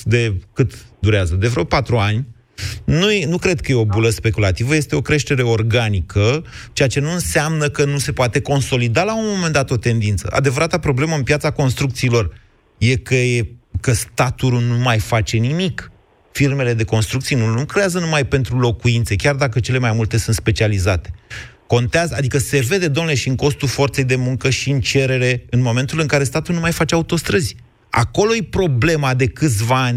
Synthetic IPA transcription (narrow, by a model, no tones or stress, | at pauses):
d̪e̞kɨt̪d̪uɾeazəd̪evɾeopat̪ɾuanʲ | nujenukɾe̞d̪̚kəjeo̞buləspe̞kulat̪ivəje̞st̪e̞o̞kɾe̞ʃt̪e̞ɾe̞o̞rɡanikʰə | t͡ʃeat͡ʃe̞nuɨnseamnəkənuse̞poat̪e̞ko̞nso̞lid̪alaunmːo̞mend̪at̪o̞t̪e̞nd̪int̪sə̰ʔa̰d̪e̞vəɾat̪apɾo̞ble̞məɨnpjat̪sako̞nst̪ɾukt̪siːlo̞r | je̞kəjekəst̪at̪uɾunumajfat͡ʃe̞nimik | firme̞le̞d̪e̞ko̞nst̪ɾukt̪sijenunukɾe̞jazənumajpe̞nt̪ɾulo̞kuint̪se̞kʲard̪ak̬ət͡ʃe̞le̞majmult̪e̞sunt̪spe̞t͡ʃializat̪e̞ | ko̞nt̪eazəad̪ikəse̞ve̞d̪e̞d̪omneleʃiɨŋko̞st̪ulfo̞rt̪se̞jd̪e̞muŋkəʃiɨnt͡ʃe̞ɾe̞ɾe̞ɨnmo̞me̞nt̪ulɨŋkaɾe̞st̪at̪ulnumajfat͡ʃe̞aut̪o̞st̪ɾəzʲ | a̰ko̞lo̞jepɾo̞ble̞mad̪e̞kɨt̪sʲvaanʲ